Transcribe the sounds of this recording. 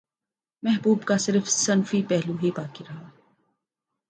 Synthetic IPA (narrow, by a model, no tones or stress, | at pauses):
mɛɦbuːbkasɪɾfsɐnfipɛɦluɦibaːkiɾɐɦaː